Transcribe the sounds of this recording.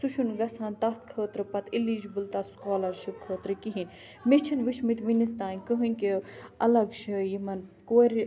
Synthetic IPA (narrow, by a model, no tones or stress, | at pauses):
suʃʰunɡɐsaːnt̪ɐt̪̚ʰkʰəːt̪ɾɨpɐt̪ʰiliːd͡ʒbɨlt̪askoːlɐɾʃɨkʰoːt̪ɾɨkiɦinʲ | met͡ʃʰinʋiʃmit̪ʋinist̪aːnʲkəɦɨnʲkiɐlɐɡʃʰɨjimɐnkoːɾʲ